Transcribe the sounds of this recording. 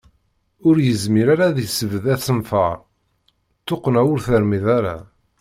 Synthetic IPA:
ʊɾjəzmiɾaɾaðisəvəðæt͡sːənfə̰ɾˤ | t̪ːoqːnæwʊɾθəɾmiðaɾa̰

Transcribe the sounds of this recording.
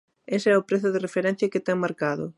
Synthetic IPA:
esɪɛʊpɾeθʊðɪrefeɾɛn̟θjɐkɪt̪ɛŋmaɾkaðʊ̰

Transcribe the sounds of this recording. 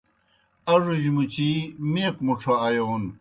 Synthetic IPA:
ɐʐuʑmut͡ɕimeːqmuʈ͡ʂʰoɐjoːn

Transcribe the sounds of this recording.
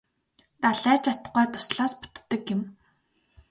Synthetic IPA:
t̪aɮæːt͡ɕʰat̪̆ɢɔːt̪ʰʊ̥sɮaːspʊ̥t̪ːə̆kjɪ̆m

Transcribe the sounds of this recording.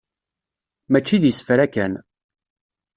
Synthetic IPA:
mæt͡ʃːiðjəsfɾækæn

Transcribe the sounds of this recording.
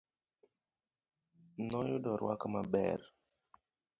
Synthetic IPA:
nɔjʊdɔɾwakmabɛ̰ɾ

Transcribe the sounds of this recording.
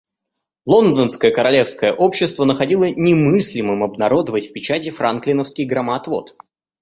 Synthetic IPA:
lˠo̞nd̪ənskəjəkəɾɐlʲe̞fskəjəʔo̞pɕːɪst̪vənəxɐdʲilˠənʲɪmɨsʲlʲɪmɨmɐbnɐɾo̞d̪əvətʲfʲpʲɪt͡ɕætʲɪfɾanklʲɪnəfskʲɪjɡɾɐmat̪vo̞̰t̪

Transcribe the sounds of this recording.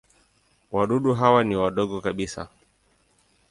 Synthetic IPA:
waɗuɗuɦawaniwaɗɔɠɔkaɓisa̰

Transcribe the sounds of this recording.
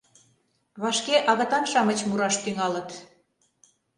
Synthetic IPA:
βɑʃkeʔɑɣɤ̆t̪ɑnʃɑmə̆t͡ɕmuɾɑʃt̪yŋɑlə̆t̪

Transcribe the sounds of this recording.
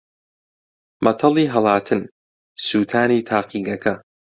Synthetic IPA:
mʔɐt̪ʰɑlˠiːɦɐlˠaːt̪ʰɨn | suːt̪ʰaːniːt̪ʰaːqiːɡɐkʰɐ

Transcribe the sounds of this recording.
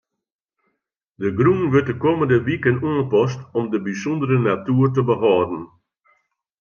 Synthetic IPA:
dəɡrunʋʏtdəkoːməndəʋikənuənpɔstɔmdəbisɔndəɾənatyːrtəbəɦɑːdn̩

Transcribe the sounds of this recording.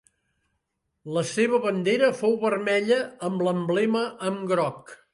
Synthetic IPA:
ləseβ̞əβənd̪eɾəfowβərmɛʎəəmləmblɛməʔəmɡɾɔk

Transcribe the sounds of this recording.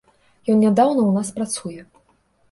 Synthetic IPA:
jɔnnʲad̪awnɐwnaspɾat̪sujɛ

